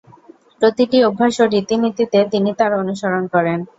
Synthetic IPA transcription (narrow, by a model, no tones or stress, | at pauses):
pɾot̪iʈiobʱːaʃoɾit̪init̪it̪et̪init̪aɾonuʃaɾonkɔɾen